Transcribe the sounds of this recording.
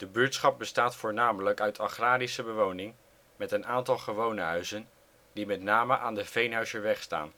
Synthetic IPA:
d̥əbyːɹtsχɑp̚bəstaːtfʊːɹnaːmələkœɥtʰɑχraːdisəbəʋownɪŋ | mɛtənaːntɑlˠχəʋownəɦœɥzən | dimɛtnaːməʔaːndəv̥ejnɦœɥzəɹʋɛχsta̰ːn

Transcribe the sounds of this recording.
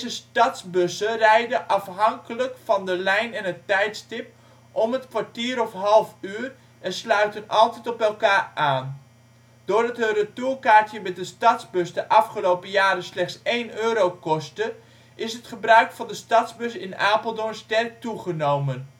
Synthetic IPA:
zəstɑtsbøsərɛjdəʔɑfɦɑŋkələkfɑndəlɛjnɛnɦətːɛjtstɪp̚ | ʔɔmətkʋaɹtiːɾɔfɦɑlˠfyːr | ʔɛnslœɥtənʔɑlˠtɛtɔpɛlˠkaːɹaːn | d̥ʊːrdɑtɦərətulˠkaːɹtjəmɛt̚dəstɑtzbɵsdəʔɑfχəlowpəjaːɾəslɛχtsejnøːɾowkɔstə | ʔɪsɦətχəbrœɥkfɑndəstɑtzbɵsɪnaːpəlˠdonstɛrk̚tuχənowmən

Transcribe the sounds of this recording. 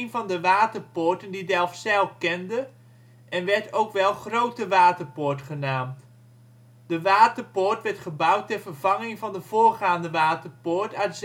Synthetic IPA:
nvɑndəʋaːtəɹpʊːɹtəndidɛlˠfsɛlˠfkɛndə | ʔɛnʋɛɹtowkʋɛlˠχrowtəʋaːtəɹpʊːɹtχənaːmt | dəʋaːtəɹpoːɹtʋɛɹtχəbʌwtːɛɹvərv̥ɑŋɪŋvɑndəv̥oːrχaːndəʋaːtəɹpʊːɹtatz

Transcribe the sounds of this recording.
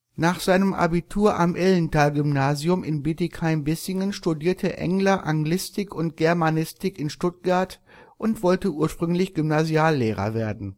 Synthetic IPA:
naːχz̥aɪnəmʔa̰bitʰuːɐʔamʔɛləntaːlɡʏmnaːziʊmɪnbitɪkhaɪmbɪsɪŋənʃtudiːɐtʰəʔɛ̰ŋlɐʔaŋɡlɪstɪkʊnt̚ɡ̥ɛɐmanɪstɪkɪnʃtʊt̚ɡ̥aɐt | ʔʊntv̥ɔltəʔuːɐʃpʁ̥ʏŋlɪçɡ̥ymnazjaːlːeːʁ̞ɐ̰veːɐdn̩

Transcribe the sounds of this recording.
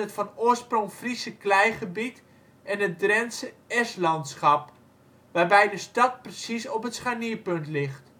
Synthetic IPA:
ətfɔnoərsproŋfrisəklɛjχəbit | ɛnət̚drɛnsə | ɛslɑntsχɑp | ʋaːrbɛjdəstɑt̚prəsisɔpətsχanipɵntlɪχt

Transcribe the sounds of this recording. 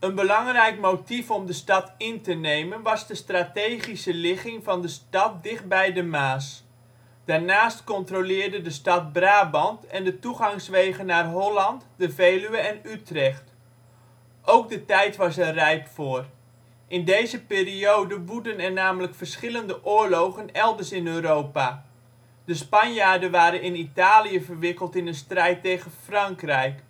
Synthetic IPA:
ənbəlɑŋrɛjkmowtifɔmdəstɑtɪntənejmənʋɑzdəstraːtejχisəlɪχɪŋvɑndəstɑt̚dɪχt̚bɛjdəmaːs | d̥aːrnaːstkɔntrolɪːrdədəstɑt̚braːbɑntɛndətuχɑŋsʋeːχənːarɦɔlɑntdəvejlyəɛnytrɛχt | ʔowk̚dətɛjtʋɑsərɛjpfoːr | ʔɪndejzəpeːriowdəʋudənɛɹnaːmələkfəɹsχɪləndəʔʊːɹlowχənɛlˠdəɹsɪnøːɾowpa | dəspɑnjaːɹdənʋaːɾənɪnitaːlijəvərʋɪkəlˠtɪnənstrɛjtːejɣənfrɑŋkrɛjk

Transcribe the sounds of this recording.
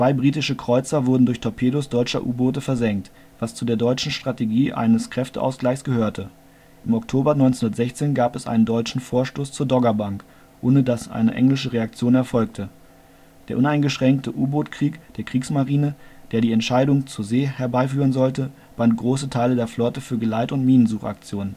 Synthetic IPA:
t͡sv̥aɪbʁiːtɪʃəkʁ̥ɔʏt͡sɐvʊɐdn̩dʊɐçtʰɔpʰeːdosd̥ɔʏt͡ʃɐ̰ʔṵːboːtəfɛɐzɛŋk̚t | v̥ast͡sudeːɐdɔʏt͡ʃn̩ʃtʁ̥ateɡiːʔa̰ɪnəskʁ̥ɛftə̰ʔa̰ʊsɡ̥laɪçsɡ̥əhøːɐtʰə | ʔɪmɔktʰoːbɐnɔʏnt͡snndɐtz̥ɛçt͡seːnɡaːpɛsʔa̰ɪnəndɔʏt͡ʃn̩foːɐʃtoːst͡suːɐdɔɡɐbaŋk | ʔoːnədasʔa̰ɪnəʔɛ̰ŋlɪʃəʁeak̚t͡sjoːnɛɐfɔlk̚tʰə | d̥eːɐʔʊnaɪnɡəʃʁ̥ɛŋk̚tʰəʔuːboːtkʁ̥iːkd̥eːɐkʁ̥iːksmaʁiːnəd̥eːɐdiːɛntʃaɪdʊŋt͡suːɐzeːhɛɐbaɪfyːʁ̞ənzɔltə | b̥ant̚ɡ̥ʁoːsətʰaɪlədeːɐflɔtəfyːɐɡəlaɪtʊntmiːnənzuːχa̰k̚t͡sjoːnən

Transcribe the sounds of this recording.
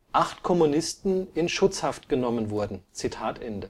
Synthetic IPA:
ʔaχtkʰɔmunɪstn̩ɪnʃʊt͡shaftɡ̥ənɔmənvʊɐdn̩t͡sitʰaːtʰʔɛndə

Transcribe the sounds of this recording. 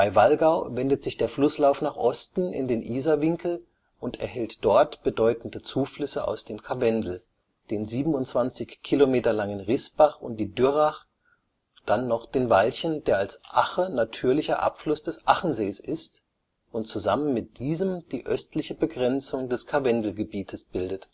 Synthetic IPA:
b̥aɪvalɡaʊvɛndətz̥ɪçd̥eːɐflʊslaʊfnaːχʔɔstn̩ɪ̰ndeːnʔiːzɐvɪŋkl̩ | ʊntɛ̰ɐɦɛltd̥ɔɐtb̥ədɔʏtn̩dət͡suːflʏsəa̰ʊsd̥eːmkʰavɛndl̩ | d̥eːnziːbm̩ʊntt͡sv̥ant͡sɪçkʰːilomeːtɐlaŋənʁɪsb̥aχʊnt̚d̥iːdyʁaχ | d̥anːɔχd̥eːnvalçəndeːɐalsʔaχənatʰyːɐlɪçɐ̰ʔa̰pflʊsd̥ɛsʔaχn̩zeːsɪst | ʊnt̚t͡suzamənmɪt̚d̥iːzəmd̥iːʔœstlɪçəbəɡʁɛnt͡sʊŋdɛskʰavɛndl̩ɡəbiːtʰəsb̥ɪldət

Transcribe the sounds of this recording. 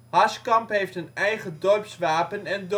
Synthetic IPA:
ɦɑskɑmpɦejftənɛjχədɔrpsʋaːpənɛnd

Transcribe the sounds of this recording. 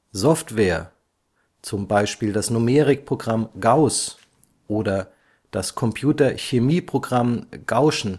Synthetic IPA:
zɔftv̥eːɐ | t͡sʊmbaɪʃpiːldasnumeːʁɪk̚pʁ̥oɡʁamɡaʊs | ʔoːdɐ | d̥askʰɔmpʰjuːtɐçemiːpʁ̥oɡʁamɡ̥aʊʃn̩

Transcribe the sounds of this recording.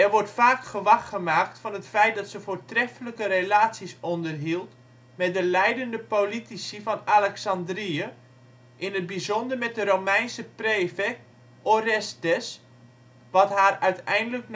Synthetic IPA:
ɛrʋɔrtfaːkχəʋɑxχəmaːktfɔnətfɛjt̚dɔtsəfoːɹtrɛfələkərelaːtsisɔndərɦilˠt | mɛt̚dəlɛjdəndəpolitisifɔnalɛksɑndriə | ʔɪnəd̚bizondərmɛt̚dəɾomɛjnsəpreːfɛ | orɛstɛs | ʋɑtɦaːrœɥtɛjndələkn

